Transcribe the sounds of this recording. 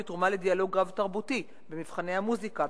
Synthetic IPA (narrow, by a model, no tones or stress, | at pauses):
et̪ʁumaled̪ialo̞ɡʁavt̪aʁbut̪i | bemivχane̞hamuzika